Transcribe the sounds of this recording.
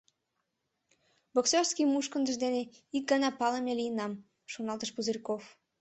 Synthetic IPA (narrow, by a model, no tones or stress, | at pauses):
boksorskimuʃkənd̪ə̆ʒd̪ene | ik̚ɡɑnɑpɑləmelijənɑm | ʃonɑlˠt̪əʃbuzərʲkof